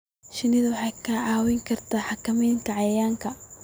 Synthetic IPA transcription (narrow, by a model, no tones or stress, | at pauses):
ʃɪnɪðɐwɑħɑjkʰɐʕɑːwɛŋkʰɐrt̪ʰaːħɑkʰɐmɛjŋkʰɐʕɑjɐjaːŋkʰɐ